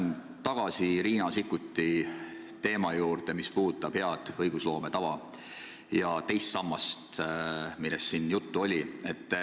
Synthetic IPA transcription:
n | t̪ɑɡ̥ɑsiɾiːnɑsikːˑut̪ːˑi | t̪e̞ːmɑjuːɾd̪e̞mispuːt̪ːˑɑb̥he̞ɑd̪̥ɤjɡ̥uslo̞ːmet̪ɑvɑ | jɑt̪e̞jst̪sɑmːɑst̪ | milːest̪sinjut̪ːuo̞lʲie̞t̪ː

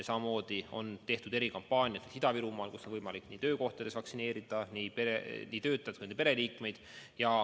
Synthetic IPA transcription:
sɑmɑmo̞ːd̪̥io̞̰nt̪e̞ht̪ud̪̥e̞ɾikɑmpːˑɑːnʲjɑt̪ːesid̪̥ɑviɾumɑːlkuso̞nvɤjmɑlikˑniːt̪øːko̞ht̪ɑd̪̥esvɑksine̞ːɾid̪̥ɑnipeeniːt̪ø̞ːt̪ːˑɑjt̪kund̪epeɾe̞liːkme̞jd̪̥jɑ

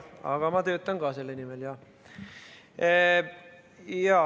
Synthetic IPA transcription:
ɑ̰ɡ̥ɑmɑt̪øːt̪ːæŋɡ̥ɑːselːenimeljɑ | jɑː

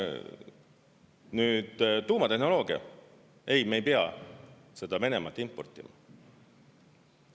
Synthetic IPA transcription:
nyːd̪̥t̪uːmɑt̪e̞ɦno̞lo̞ːɡ̥iɑ̰ | e̞jme̞jpeɑ̰ | se̞d̪̥ɑme̞ne̞mɑt̪ːˑimpo̞rt̪ːˑimɑ̰

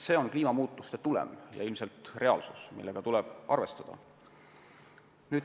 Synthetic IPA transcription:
se̞ːo̞nkliːmɑmuːt̪ːˑust̪e̞t̪ulḛmjɑ̰ilmse̞lt̪re̞ɑ̰lsu̥smḭlːeɡ̥ɑt̪ulɛb̥ɑ̰rve̞st̪ɑd̪̥ɑ̰ | nyːd̪

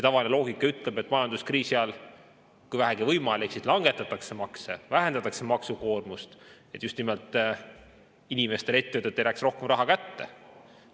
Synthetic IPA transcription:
set̪ɑvɑlʲinelo̞ːɡikːˑɑyt̪ːˑle̞be̞t̪ːˑmɑjɑnd̪uskriːsiɑl | kujvæɦæɡivɤjmɑleksid̪lɑŋɡ̥et̪ːˑɑt̪ːˑɑkse̞mɑksevæɦend̪̥ɑt̪ːˑɑkse̞mɑksuko̞ːrmust̪et̪ːˑjust̪nimelt̪ˑ | inime̞st̪e̞le̞t̪ːeɯt̪ːˑet̪ːejɾæːksrohke̞mrɑɦɑkæt̪ːe̞̰

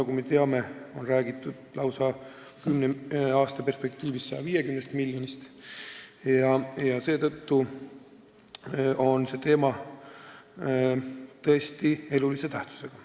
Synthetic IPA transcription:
nɑkume̞t̪e̞ɑme̞o̞nræːɡ̥it̪ːˑud̪̥lɑwsɑkymneɑːst̪ɑpe̞rspe̞k̚t̪iːvisːɑjɑvije̞kymnest̪miljo̞nist̪ | jɑjɑse̞ːt̪ɤt̪ːu | ʔo̞nse̞t̪e̞ːmɑ | t̪ɤ̞e̞st̪ie̞lulise̞t̪æht̪su̥se̞ɡ̥ɑ

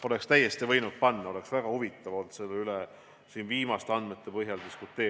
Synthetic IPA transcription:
o̞lekst̪æjːe̞st̪ivɤ̞jnut̪̚pɑnːɑo̞le̞ksvæɡ̥ɑhuvit̪ːˑɑvo̞ld̪se̞lːeyle | siːnviːmɑst̪eɑnd̪me̞t̪ːˑe̞pɤɦjɑld̪iskut̪ːˑeː

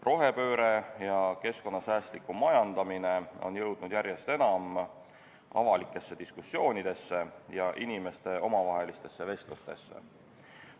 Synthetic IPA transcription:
rʔo̞ɦe̞pø̞ːɾe̞jɑke̞sko̞nːɑsæːst̪likːˑumɑjɑnd̪̥ɑmine̞o̞̰njɤwd̪̥nud̪̥jæɾje̞st̪e̞nɑm | ɑ̰vɑlikːˑe̞sːe̞d̪̥iskusːjo̞ːnʲid̪̥e̞sːe̞jɑʔinime̞st̪e̞o̞mɑvɑɦelist̪e̞sːe̞ve̞st̪lust̪e̞̰sːe̞̰

